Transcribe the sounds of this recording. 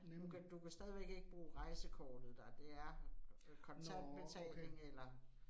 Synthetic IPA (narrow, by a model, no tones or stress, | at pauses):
d̥ukʰd̥ukʰæsd̥ɛːð̞ˠiʋeɡ̥e̝ɡ̥əb̥ʁuːʁɑ̈ɪsəkʰɒ̰ːd̥ð̩ˠd̥ɑd̥e̝æɐkʰɒ̽nt͡sʰædb̥e̝t͡sʰɛ̰ːle̝ŋelɐ